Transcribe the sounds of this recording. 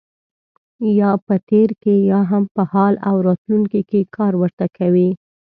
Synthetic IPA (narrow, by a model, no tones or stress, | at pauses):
jɑpət̪eɾkejɑɦampəhɑla̰wɾɑt̪luŋkikekʰɑɾwəɾt̪akʰawi